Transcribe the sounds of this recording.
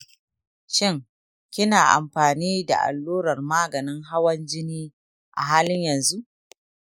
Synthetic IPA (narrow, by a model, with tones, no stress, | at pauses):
ʃɪ˦ŋ | kʲɪ˦naː˨ʔa̰˨mɸaː˨niː˦da̰˨ʔa̰˨lːoː˦ɾɐ˨rmaː˦ɡɐ˨nɪ˦ŋɦa˦wɐ˦nd͡ʒɪ˦niː˦ | ʔa̰˨ɦaː˦lɪ˦ɲjɐ˨nzu˦ʔ